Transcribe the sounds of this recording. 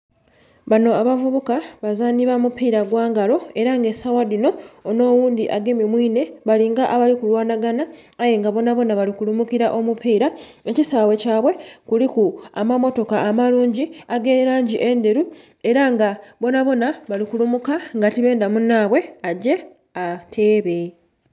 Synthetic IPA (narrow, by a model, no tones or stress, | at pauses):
βano̞aβavuβukaβazaːniβamupiːɾaɡwaːŋɡalo̞e̞ɾaŋɡe̞sawadino̞ːno̞ːwuːnd̪iʔaɡemimwiːne̞βaliŋɡaʔaβalikulwaːnaɡanaː | jeŋɡaβo̞naβo̞naβalikulumukiɾaʔo̞mupiːɾae̞cisaːwe̞caːβwe̞kulikuamamo̞to̞kaːmaluːɲɟiaɡe̞ːeɾaːɲɟiʔe̞nde̞ɾu | e̞ɾaŋɡaβo̞naβo̞naβalikulumukaŋɡatiβe̞ːndamunːaːβwe̞aɟːe̞ | atʰe̞ːβe̞